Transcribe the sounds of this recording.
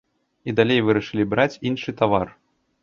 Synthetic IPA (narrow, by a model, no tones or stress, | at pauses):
id̪alʲejvɨɾɐʂɨlʲibɾat͡sʲinʂɨt̪avar